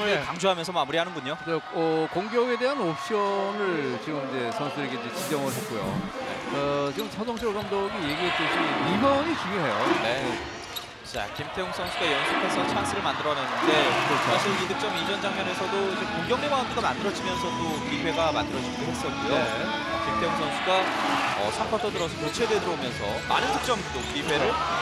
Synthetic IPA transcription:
ɯkaŋd͡ʑuɦamjʌnsʰʌmamuɾiɦanɯnbuɲot͡ɕaʌkoŋɡjʌɡe̞de̞ɦanop̚ɕ͈ʌnɯɭt͡ɕiɡɯmind͡ʑe̞sʰʌnsʰudɯɾeɡeid͡ʑet͡ɕind͡ʑʌŋɯet̚k͈ujo̰ | ḛʌt͡ɕiɡɯmsʰʌd͡ʑʌŋt͡ɕʰioɡʌmdoɡije̞ɡiɦet͈iɕʰiniɦjʌnit͡ɕuɲjoɦejone̞ | t͡ɕa̰kimtʰe̞joŋs͈ʰʌnsʰuɡajʌŋsʰɯpʰesʰʌt͡ɕʰaŋsʰiɾɯɭmandɯɾʌnɯnnde̞kɯɾʌt͡ɕʰosʰʌidʰɯk̚t͡ɕ͈ʌmid͡ʑʌnd͡ʑaŋmjʌne̞sʰʌdoid͡ʑekuŋɡjʌŋdebaandeɡamandɯɾʌd͡ʑimjʌnsʰʌdokibʰʱwe̞ɡamandɯɾʌd͡ʑiidoɦe̞s͈ʌte | kimtʰejoŋsʰʌnsʰuɡaʌ̰sʰampʰʌtʰʌdɯɾʌsʰʌmot͡ɕʰe̞dwedɯɾoomjʌnsʰʌ̰ma̰nɯndʰɯk̚t͡ɕ͈ʌmitokɥibwe̞ɾo

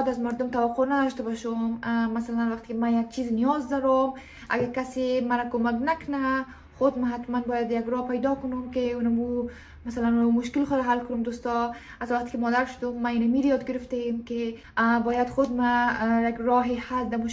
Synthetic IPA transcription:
d̪azmaɾd̪ʊmt̪awaqonad̪ɔʃt̪abɔʃɔmmːasalanwaqt̪ɪ̥kɪmajaɡ̚t͡ʃiznijɔzd̪ɔɾɔm | a̰ɡaɾkasemaɾakomaknakʊna | xʊd̪maɦat̪manbɔjad̪jaɡɾɔpajd̪ɔkʊnumkeunamu | masalanunamumʊʃkɪlxʊd̪ɾaɦalkʊnumd̪ost̪ɔ | azwaqt̪e̥kɪmɔd̪aɾʃʊ̥d̪ʊmːainamiɾjɔd̪̚ɡɪɾɪft̪aemke | bɔjad̪xʊd̪̚majaɡɾɔɦehald̪amʊʃ

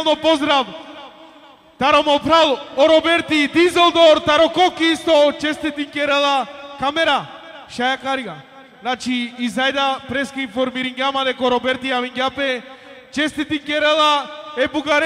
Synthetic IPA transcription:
lˠnɔpɔzd̪ɾav | t̪aɾɔmɔpɾalˠɔɾɔbɛɾt̪id̪izɛlˠd̪oɾt̪aɾɔkɔkisɔt͡ʃɛst̪ɛt̪iŋkɛɾɛlˠakamɛɾa | ʃajakaɾiɡa | nat͡ʃiːzajd̪apɾɛskainfɔɾmiɾiŋɡamad̪ɛkɔɾɔbɛɾt̪iaviŋɡapɛ | t͡ʃɛst̪ɛt̪iŋkɛɾɛlaɛbuɡaɾ

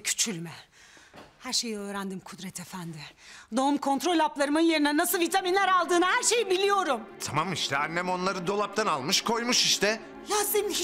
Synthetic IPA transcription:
cʰy̥t͡ʃʰylʲmɛ | hæɾʃe̞jiø̞ːɾænd̪imkʰud̪ɾɛt̪ʰefænd̪ɪd̪o̞mkʰo̞nt̪ɾo̞lʲaplˠaɾɯmɯnje̞ɾinɛnasɯlˠvit̪ʰaminlʲæɾalˠd̪ɯːnahæɾʃe̞jibilʲijo̞ɾumt̪ʰamamiʃt̪ʰɛanːɛmo̞nlˠaɾɯd̪o̞lˠap̚t̪ʰanalˠmɯʃkʰo̞jmuʃiʃt̪ʰɛ | laːzɯm

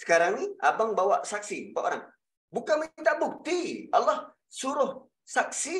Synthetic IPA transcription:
sə̥kaɾaŋiabaŋbawaʔsaksipaʔo̰ɾaŋ | bukanmint̪aʔbuk̚t̪ialːah | suɾʊh | sak̚si

